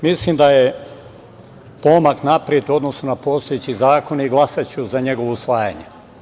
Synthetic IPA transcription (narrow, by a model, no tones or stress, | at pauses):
mislimd̪aje | po̞maknapɾjet̪uo̞d̪nosnunapo̞ːst̪ojet͡ɕizaːko̞niɡlˠasat͡ɕuzaɲe̞ɡo̞ʋousʋaːjaɲe